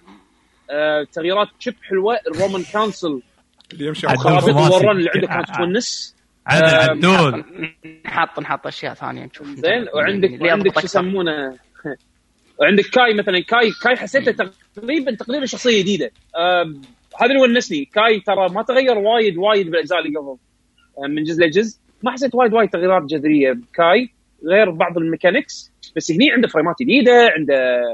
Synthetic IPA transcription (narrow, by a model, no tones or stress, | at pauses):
t̪aɣjiːɾɑːt̪t͡ʃɪbħɪlwaʔrːoːmankansɨl | ɪmʃxaːbɪwɑrˤːɑːnlːiːʕɪnd̪akːaːnt̪t̪wanːɪs | nħɑt̪ˤːnħɑt̪ˤːʔaʃja̰ːʔθa̰ːnɪja̰nʃuzeːnwʕɪnd̪aknd̪ɪk̪samːuːna | wʕɪnd̪ɪkːaːjmaθalankaːjkaːjħasːeːt̪at̪a | qɾiːbant̪aqɾiːbaʃːɑxsˤɨjːajd̪iːd̪a | haːðalwanːasnikaːjt̪ɑɾˤɑmat̪ɣajːɑɾˤwaːjɪd̪waːjɪd̪̚bɪlʔad͡ʒzaːʔlɪɡafðˤ | mɪnd͡ʒɪzlad͡ʒɪzʔ | maħas̬ːeːt̪waːjɪd̪waːjd̪̚t̪aɣjːɪɾˤaːt̪̚d͡ʒad̪ɾɪjːabɪkaːj | ɣeːɾbɑʕðˤɨlmɪkanɪks | b̥asːhniːʕɪnd̪afɾijmaːt̪jd̪iːd̪aʕɪnd̪a